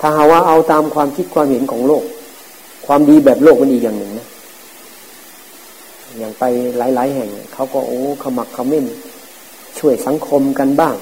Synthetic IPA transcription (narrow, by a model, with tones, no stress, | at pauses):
t̪ʰaː˧˩ɦa˧˩waː˧˩ʔa˧wt̪aː˧mkʰwaː˧mkʰi˦˥t̪̚kʰwaː˧mhe˨˦nkʰɔː˩˦ŋloː˥˩k̚ʰː | waː˧mdiː˧bɛː˨˩p̚loː˥˩k̚ma˧nʔiː˨˩k̚jaː˨˩ŋnɯ˨˩ŋna˦˧˥ | ɲaː˨˩ŋpa˧jlaː˨˦jlaː˨˦jɦɛ˨˩ŋa˧˨kʰa˧˥˩wkɔː˧˩ʔoː˨˦kʰa˧˩wma˧˩kʰːa˧˩wme˧˥˨n | t͡ɕʰu˧˥˩əjsa˨˦ŋkʰo˧mka˧nbaː˥˩ŋ